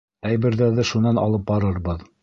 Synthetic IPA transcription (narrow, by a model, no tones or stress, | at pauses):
æjbɘ̆ɾðæðɘʃunɑnɑ̰lˠɤp̚bɑɾɤɾbɤð